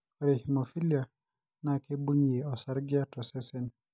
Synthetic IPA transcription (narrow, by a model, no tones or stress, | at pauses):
ɔɾɛhimɔfilia | nakebuɲiɛɔsaɾɡiatɔsɛsɛn